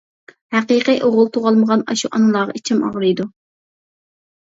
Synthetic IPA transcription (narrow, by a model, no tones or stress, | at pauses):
hæqiqiʔoʁʊlˠt̪ʰoʁɑlˠməʁɑnɑʃuʔɑnɨlˠɑːʁɑ̰it͡ʃʰimɑ̰ʁɾɨjd̪u